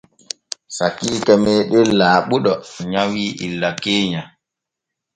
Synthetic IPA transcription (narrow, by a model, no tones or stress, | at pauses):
sakiːkɛmɛɗelːaːɓuɗɔɲawiːʔḭlːakeːɲa